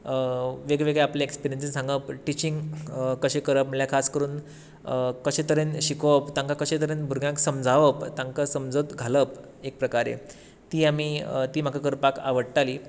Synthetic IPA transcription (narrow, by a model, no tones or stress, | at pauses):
ʋeɡɭeʋeɡɭeapljaekspiɾijəns̬isãŋɡəpʈit͡ɕĩŋɡkəɕẽkəɾəpməljakʰaskəɾuːn | kəɕẽt̪əɾenɕikəpt̪ãŋkakəɕẽt̪əɾenbʱuɾɡjãŋksəmd͡zʱaʋəpt̪ãŋkasəmd͡zət̪ɡʱaləp | ek̚pɾəkaɾḛ | t̪iːamit̪iːm̤akakəɾpakaʋəɽʈ̪aliː